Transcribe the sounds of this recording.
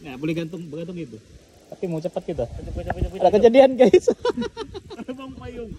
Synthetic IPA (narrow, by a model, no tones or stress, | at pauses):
abolɛhɡant̪ʊŋbəɡant̪ʊŋɡit̪u | t̪apimat͡ʃəpat̪̚ɡit̪u | adakəd͡ʒadianɡas